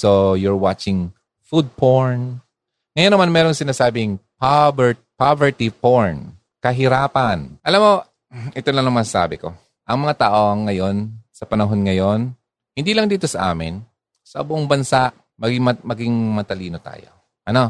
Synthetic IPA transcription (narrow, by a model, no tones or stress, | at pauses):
sojʊɹwat͡ʃɪŋ | fud̪̚poɹn | ŋɐjonɐmanmɛːɾoŋsɪnaːsaːbɪŋpabɹpavɛɹt̪ipoɹn | kɐɦɪɾaːpɐnʔɐlamːo̞ | ʔɛt̪onlɐŋnɐŋmɐssa̰ːbɪko̞̰ | ʔɐŋmɐŋat̪aːʔo̞ɐŋːɐjo̞nsɐpɐnɐɦo̞nŋɐjo̞n | hɪnd̪iːlɐŋd̪iːt̪o̞sɐʔa̰ːmɪ̰n | sɐʔɐbʊʔoŋbɐnsaʔ | mɐɡɪmɐmɐɡɪŋmɐt̪ɐliːno̞t̪a̰ːjo̞̰ | ʔɐno̞